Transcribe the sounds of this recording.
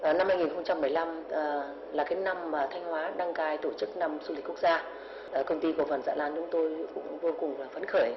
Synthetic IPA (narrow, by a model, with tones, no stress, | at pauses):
ʔna˧mːha˧jŋi˨˩nxə˧ŋ͡mt͡ɕa˧mːɨ˨˩əjla˧mː˨˩ | laː˨˩kaː˨˦jna˧mːaː˨˩t̪ʰa˧jŋ̟hwaː˨˦ɗa˧ŋkaː˧jt̪o˧˩t͡ɕɨ˦˥k̚na˧mzu˧li̟˨˩ku˦˥ək̚zaː˧ | ʔkə˧wŋ͡mt̪i˧kfə˨˩nza̰ː˧˥˨laː˧nt͡ɕʊ˨˦ŋ͡mt̪o˧jkʊ̰˧˥ŋ͡mvo˧kʊ˨˩ŋ͡mlaː˨˩fə˨˦nxəː˧˩j